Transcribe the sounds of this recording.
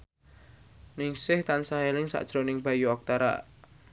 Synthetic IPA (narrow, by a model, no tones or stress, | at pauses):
nɪŋsɪht̪ansaɦelɪŋsa̰ʔd̥ʒ̥ɾonɪŋb̥a̤juɔk̚t̪aɾa̰